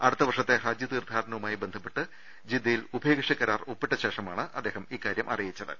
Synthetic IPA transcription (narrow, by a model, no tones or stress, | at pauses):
ɐɽut̪ːɐʋɐrʂɐt̪ːe̞raːd͡ʑjɐnird̪ʱaːɾɐɳɐwumaːjibe̞nd̪ʱɐpːeʈːɨ | d͡ʑid̪ːɐjilubʱeːɡɐʂɐkːɐɾaːropːiʈːɐɕeːʂɐmaːɳɨʔɐd̪ːe̞ːɦɐmiːkːaːɾjɐmʔɐ̰rijit͡ɕːɐðɨ̰